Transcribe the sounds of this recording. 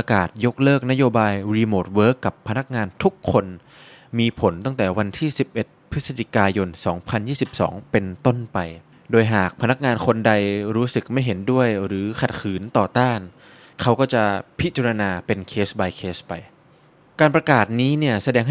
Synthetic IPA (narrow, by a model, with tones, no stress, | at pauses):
a˧kaː˨˩t̪̚jo˦˥k̚lɤː˥˩k̚na˥joː˧baː˧jɾiː˧moː˨˩t̪̚wɤː˦˥kːa˨˩pʰːa˧na˦˥k̚ŋaː˧nt̪ʰu˦˥kʰːo˧n | miː˧pʰo˨˩˦nt̪a˥˩ŋt̪ɛː˨˩wa˧nt̪ʰiː˥˩si˨˩p̚ʔe˨˩t̪̚pʰːɯ˦˥sa˧t͡ɕi˧˩kaː˧jo˧nsɔː˩˦ŋpʰa˧njiː˥˩si˨˩p̚sɔ̰ː˩˦ŋpe˧nt̪o˥˩npa˧j | doː˧jɦaː˨˩k̚pʰa˧na˦˥k̚ŋaː˧nkʰo˧nda˧jɾuː˦˥sɯ˨˩k̚ma˥˩jɦe˩˦ndu˥˩əjɾɯː˩˦kʰa˨˩t̪̚kʰɯː˩˦nt̪ɔː˨˩t̪aː˥˩n | kʰa˦˥wkɔː˥˩t͡ɕa˨˩pʰi˦˥t͡ɕa˧ɾa˧naː˧pe˧nkʰeː˦˥sba˧jkʰeː˦˥spa˧j | kaː˧npɾa˧kaː˨˩t̪̚niː˦˥ni˥˩ɐsa˧dɛː˧ŋɦ